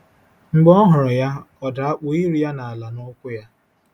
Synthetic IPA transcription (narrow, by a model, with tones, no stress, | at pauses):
ŋ͡m̩˦ɡ͡bɔ˦ɦʊ˨ɾʊ˨ja˦ɔ˨da˨a˦k͡pʊ˨i˦ɾi˨ja˦na˨a˨la˨nɔ˦kʷʊ˦ja˦